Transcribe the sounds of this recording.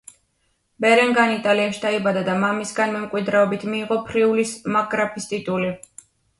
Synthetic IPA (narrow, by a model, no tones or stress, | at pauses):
bɛɾɛŋɡanit̪ʼaliaʃi̥d̪aibad̪ad̪amamisɡanmɛmkʼwid̪ɾɛɔbit̪ʰmiːʁɔpʰɾiulismaɡɾapʰist̪ʼit̪ʼuli